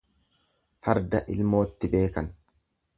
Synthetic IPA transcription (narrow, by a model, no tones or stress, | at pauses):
fɐɾd̪ɐʔɪlmo̞ːt̪ːɪbe̞ːkɐn